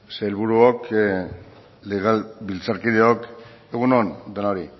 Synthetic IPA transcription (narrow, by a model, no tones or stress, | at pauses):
selβuɾuok | leɣalbilt͡saɾkiðeok | eɣ̞unond̪enaoɾi